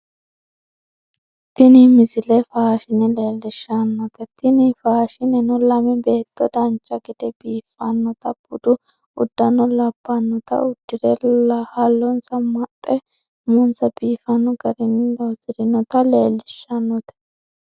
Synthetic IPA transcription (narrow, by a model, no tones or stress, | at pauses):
t̪ːɪnimɪzɪlɛfaːʃɪnɛle̞ːlːɪʃːanːɔt̪ɛt̪ɪnifaːʃɪnɛnɔlɐmɛbe̞ːt̪ːɔd̪ɐnt͡ʃʼːɐɡɪd̪ɛbiːfɐnːɔt̪ɐb̥ʊd̪ʊ | ʊd̪ːɐnɔlɐb̥ːɐnːɔt̪ɐ̰ʊd̪ːɪɾɛhɐlːɔnsɐmɐt̪ʼːɛ | mʊnsɐbiːfɐnɔɡɐɾɪnɪlɔzɪɾɪnɔt̪ɐleːlːɪʃːɐnːɔt̪ɛ̥